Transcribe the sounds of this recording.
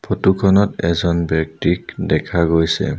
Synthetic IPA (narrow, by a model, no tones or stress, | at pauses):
pʰotukʰɔnɔtɛ̰zɔnbɔk̚tikdɛkʰaɡojsɛ̰